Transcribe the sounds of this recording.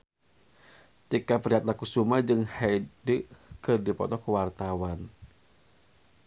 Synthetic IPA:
t̪ikapəɾiɦat̪̚lakusumad͡ʒɨŋhɛdəkɨrdipɔ̰t̪ɔkuwart̪awan

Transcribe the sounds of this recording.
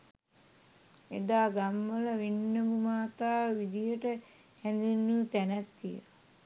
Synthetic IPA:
ed̪aːɡamːələʋinːəmumaːt̪aːʋid̪ijəʈə | hænd̪inːut̪ænæt̪ːijə̰l

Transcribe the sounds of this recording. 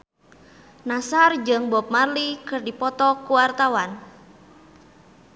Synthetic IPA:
nasard͡ʒəŋbɔp̚marlikɨrdipɔt̪ɔkuwart̪awan

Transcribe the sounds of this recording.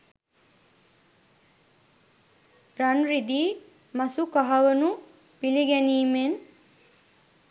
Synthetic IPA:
ɾanɾid̪iː | masukaɦɐʋənu | piliɡɛniːmen

